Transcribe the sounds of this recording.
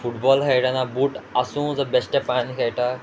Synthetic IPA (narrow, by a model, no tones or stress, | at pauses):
fuʈbɔlkejʈanabuːʈasũːd͡zəbesʈepanikʰejʈa